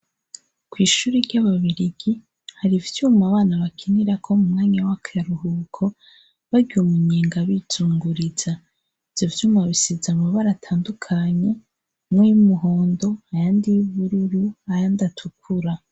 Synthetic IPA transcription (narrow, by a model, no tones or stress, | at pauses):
kwiːʃuːɾiɾɟaβaβiɾiɡ̥i | haɾivjuːmaβaːnaβakʰiniɾakʰo̞mumŋaːɲawakʰaaɾuɦuːkʰo̞ | βaɡiumuɲeːŋɡaβituːŋɡuɾiza | iv̥jovjuːmaβisizamaβaɾatʰaːndukʰaɲe̞ | mojumuɦoːndo̞ajandijuβuɾiɾuajandatʰukʰuɾa